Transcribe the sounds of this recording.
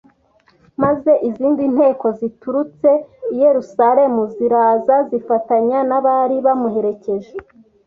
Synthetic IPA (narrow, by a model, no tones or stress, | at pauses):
maze̞ʔiziːndin̥he̞ːko̞zituɾut͡se̞ije̞ɾusaɾe̞muziɾaːzazifataɲanaβaɾiβamuɦe̞ɾe̞ce̞ʒe